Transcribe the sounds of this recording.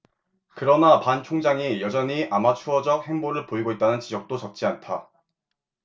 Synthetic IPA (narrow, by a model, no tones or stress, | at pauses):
kɯɾʌnapant͡ɕʰoŋd͡ʑaŋijʌd͡ʑʌɲiʔamat͡ɕʰuʌd͡ʑʌk̚he̞ŋboɾɯɭpoiɡoit̚t͈anɯnt͡ɕid͡ʑʌk̚t͈ot͡ɕʌk̚t͡ɕ͈iantʰa